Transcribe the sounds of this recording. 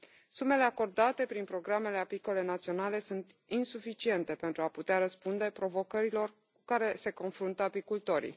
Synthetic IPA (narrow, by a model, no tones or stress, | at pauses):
sume̞le̞ako̞rd̪at̪e̞pɾinpɾo̞ɡɾame̞le̞apiko̞le̞nat̪sio̞nale̞sunt̪ | insufit͡ʃie̞nt̪e̞pe̞nt̪ɾuaput̪eaɾəspund̪e̞pɾo̞vo̞kəɾilo̞r | kukaɾe̞se̞ko̞nfɾunt̪əapikult̪o̞ɾḭ